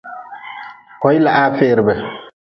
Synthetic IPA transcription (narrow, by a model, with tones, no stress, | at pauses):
hɔ˦jla˨ʔa˦feːɾbɛ˨